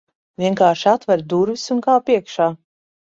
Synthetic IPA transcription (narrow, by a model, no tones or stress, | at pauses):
vʲiɛŋkaːɾʃat̪vɛɾd̪uɾvisunkaːpiɛkʃaː